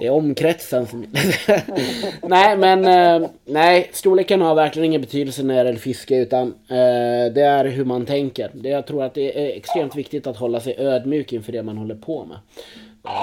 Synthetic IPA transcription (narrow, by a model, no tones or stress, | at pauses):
d̪̥ɛæɾɔmkʰɾɛt̪sənsɔm | næɪmɛn | næɪst̪uːleːkanhaɾvæɾklɪɡənɪŋːənbɛt̪ʰyːd̪əlsənæɾɛlːəɾfɪskəʉ̟ːt̪an | d̪ɛæɾɦɵɾmant̪ʰɛŋkəɾd̪ɛjɑɡt̪ʰɾuːɾat̪̚d̪ɛæɛkst̪ɾeːmt̪vɪkt̪ɪt̪at̪hɔlːasɛjʔøːd̪mjy̟ːkɪnfœːɖɛmanhɔlːəɾpʰɔmɛ̰